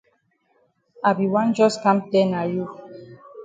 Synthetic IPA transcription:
a˨bi˨wã˦nd͡ʒɔ˦skã˦mtɛ˦na˨ju˦˨

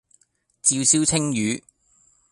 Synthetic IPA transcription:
t͡siː˧wsiː˥wt͡sʰɪ˥ŋjyː˨˧˦

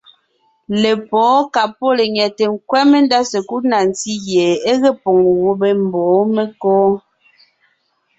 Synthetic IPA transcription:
le˨pɔː˨˦ka˨po˦le˨ɲɛ˨te˨ŋ̩˨kwɛ˦me˦n˦da˦se˨ku˦na˨n˨ti˦ɣje˨e˦ɣe˦po˨ŋ˨wo˦be˦m̩˨bɔ˨˦me˦kɔː˦

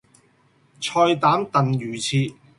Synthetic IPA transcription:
t͡sʰɔː˧jt̪aː˨˥mt̪ɐ˨njyː˨˩t͡sʰiː˧

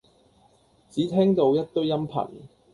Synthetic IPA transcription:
t͡siː˨˥t̪ʰɛː˥ŋt̪o˧wjɐ˥t̚t̪ɵ˥ɥjɐ˥mpʰɐ̰˨˩n

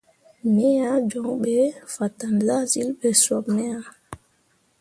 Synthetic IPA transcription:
nɛ˦ja˦d͡ʒɔ˨ŋɓɛ˨fa˨tːa˨nza˦zi˦lbɛ˨swɔ˨bnɛ˦ja˨

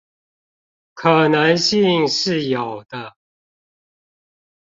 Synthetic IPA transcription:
kʰɤ˨˩nə˨˦nɕi˥˧ŋʂɻ̩˥˨jɑ˨˩ʊd̪̥ə˦

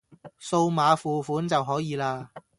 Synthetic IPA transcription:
so˧wmaː˨˧fuː˨fuː˨˥nt͡sɐ˨wɦɔː˨˥jiː˨˧laː˧

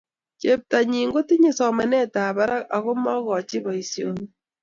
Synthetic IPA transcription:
t͡ʃe˦p̚ta˨ɲi˨ŋɡo˦ti˦ɲe˨sɔ˨ma˨nɛ˦taː˨βa˦ɾa˦ka˨ɣo˦mɔ˦ɣɔ˨t͡ʃi˦βɔ˨i˨sjo˨ŋ

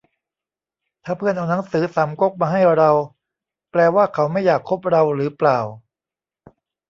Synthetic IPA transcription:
t̪ʰaː˥˩pʰɯ˥˩ənʔa˧wna˩˦ŋsɯː˩˦sa˩˦mko˦˥˩k̚maː˧ɦa˥˩jɾa˧w | plɛː˧waː˥˩kʰa˩˦˥wma˥˩jːaː˨˩kʰːo˦˥p̚ɾa˧wɾɯː˩˦plaː˨˩w

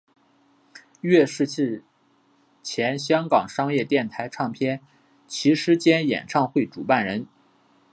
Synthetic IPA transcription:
ɥɛ˥˧ʂɻ̩˥˧t͡ɕʰi˥˩ | t͡ɕʰjɛ˧˥nɕjɑ˥ŋkɑ˨˩ŋʂɑ˥ŋjɛ˥˧t̪jɛ˥˩nt̪ʰa˧˥ɪʈ͡ʂʰɑ˥˩ŋpʰjɛ˥n | t͡ɕʰi˧˥ʂɻ̩˧˥t͡ɕjɛ˥njɛ̰˨˩nʈ͡ʂʰɑ˥˧ŋxwe˥˩ɪʈ͡ʂu˨˩pa˥˩nɻə˧˥n

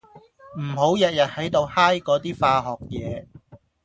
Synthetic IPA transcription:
m̩˨˩ɦo˨˥wjɐ˨t̚jɐ˨t̚hɐ˨˥jt̪o˧whaː˥jkɔː˨˥t̪iː˥faː˧ɦɔː˨k̚jɛː˨˧

